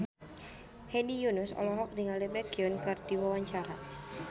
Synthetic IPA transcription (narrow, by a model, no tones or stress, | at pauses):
hɛnijunʊsɔ̰lɔɦɔk̚diŋalɛbɛkiɔnkɨrdiwawaɲt͡ʃaɾa